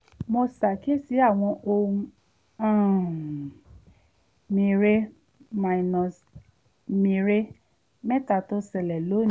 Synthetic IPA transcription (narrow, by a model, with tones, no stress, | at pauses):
mo˧sa˨ke˦si˨˦a˦˨w̃ɔ̃˧ʔo˧ũ˧ | ã˦˨ | mĩ˧ɾe˦ | ma˧i˨nɔ̃˨s | mĩ˧ɾe˦ | mɛ˦ta˦˨to˧˦sɛ˨lɛ˨lo˨˦n